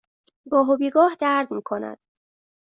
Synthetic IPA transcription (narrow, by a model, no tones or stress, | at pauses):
bɒːɦobiːɡɒːhd̪æɾd̪miːkʰo̞næ̰d̪̥